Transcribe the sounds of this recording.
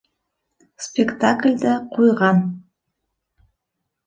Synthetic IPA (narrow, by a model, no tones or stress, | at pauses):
spʲekt̪ʰaklʲd̪aqujʁɑn